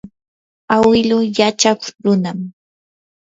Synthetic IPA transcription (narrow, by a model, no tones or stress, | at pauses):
awɪlʊjat͡ʃakʊɾʊnam